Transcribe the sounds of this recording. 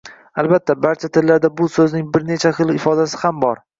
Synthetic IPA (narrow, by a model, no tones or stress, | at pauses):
albat̪ʰːabaɾt͡ʃʰat̪ʰɪllːaɾd̪abʊsɵznɪŋbɪɾnet͡ʃʰaχɨlˠɪfɒd̪asɪ̥hambɒɾ